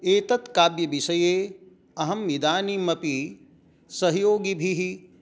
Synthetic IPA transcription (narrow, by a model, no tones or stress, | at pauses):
eːt̪ɐt̪kaːbjɐʋisɐjeː | ɐɦɐmid̪aːniːmɐpi | sɐɦjoːɡibʱiɦi